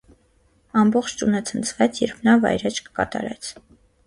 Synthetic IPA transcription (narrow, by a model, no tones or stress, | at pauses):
ɑmbɔχt͡ʃʰt͡ʃunət͡sʰənt͡sʰvɛt͡sʰjɛɾpʰnɑvɑ̰jɾɛt͡ʃʰkə̥kɑ̰t̪ɑ̰ɾɛt͡sʰ